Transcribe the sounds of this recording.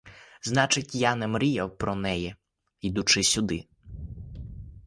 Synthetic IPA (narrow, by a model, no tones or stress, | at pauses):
znɑt͡ʃɪtʲjɑnɛmɾʲijɐwpɾɔnɛjɛ | id̪ʊt͡ʃɪsʲʊd̪ɪ